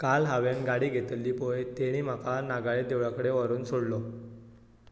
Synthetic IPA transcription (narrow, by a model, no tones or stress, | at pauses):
kalɦaʋenɡaɽiːɡʱet̪lːiːpojt̪eɽ̃iːm̤akanaɡaɭed̪eʋɭakəɽeʋəɾuːnsoɽlo